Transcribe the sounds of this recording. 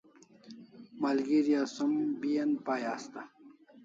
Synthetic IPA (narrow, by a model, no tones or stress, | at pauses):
malɡiɾijasumbijɐnpaːjaːst̪a